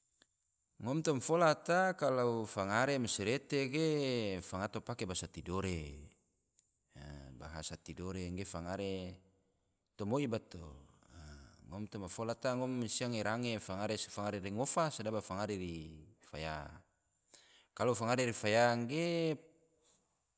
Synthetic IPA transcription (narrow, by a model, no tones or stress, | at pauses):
ŋɔmt̪ɔmfolat̪akalaufaŋaɾemasiɾet̪eɡefaŋat̪opakebasat̪idoɾe | ba̰ɦasat̪idoɾeŋɡefaŋaɾe | t̪ɔmoibat̪o̰ | ŋɔmt̪ɔmafolat̪aŋɔmːsiaŋeɾaŋefaŋaɾesfaŋaɾeɾiŋɔfasadabafaŋaɾeɾifa̰ja | kalofaŋaɾeɾifajaŋɡe